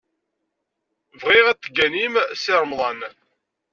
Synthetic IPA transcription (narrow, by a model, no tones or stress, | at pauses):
vʁiʁæt͡s̪ːəɡænimsɪɾˤmðˤɑn